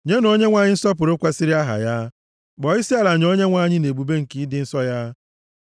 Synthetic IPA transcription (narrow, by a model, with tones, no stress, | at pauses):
ɲe˦no˦ɲe˦ŋʷa˦˨ɲɪ˦n̩˦sɔ˦p̬ʊ˨ɾo˦kʷa˦sɪ˦ɾi˦a˦ɦa̰˨ja˦ | ɡ͡bɔ˨ɪ˦si˦a˦˨la˨ɲ˨o˦ɲe˦ŋʷa˦˨ɲɪ˦ne˨bu˨be˦ŋ̩˨ki˦dɪ˦n̩˦sɔ˦ja˦